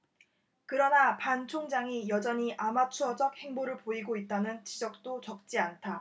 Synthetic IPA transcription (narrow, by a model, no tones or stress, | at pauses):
kɯɾʌnapant͡ɕʰoŋd͡ʑaŋijʌd͡ʑʌɲiʔamat͡ɕʰuʌd͡ʑʌk̚he̞ŋboɾɯɭpoiɡoit̚t͈anɯnt͡ɕid͡ʑʌk̚t͈ot͡ɕʌk̚t͡ɕ͈iantʰa